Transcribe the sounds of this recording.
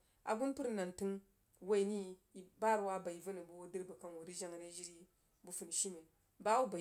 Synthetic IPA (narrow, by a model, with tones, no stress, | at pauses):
a̰˨ɡu˦npu˦ɾna˨nti˦ŋ | wa˦i˨ni˦˨ba˦ɾwa˦ba˨i˨va˦nu˨bu˨˦wo˦di˦ɾba˨ka˦n˨wu˨ɾi˦ʒa˦ŋɾe˦ʒi˦ɾi˦ | bu˦fu˨n˨ʃi˦me˨n | ba˦wu˦ba˨